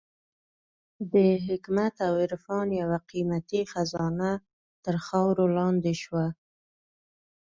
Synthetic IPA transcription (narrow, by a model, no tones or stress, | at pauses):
bəɦɪkmat̪awɪɾfɑnjawaqimat̪ixazɑna | t̪əɾxɑwɾolɑnd̪eʃwa